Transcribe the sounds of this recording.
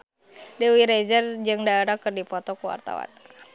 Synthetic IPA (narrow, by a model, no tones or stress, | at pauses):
diuwiɾezərd͡ʒɨŋdaeɾakɨrdipɔt̪ɔkuwa̰rt̪a̰wa̰n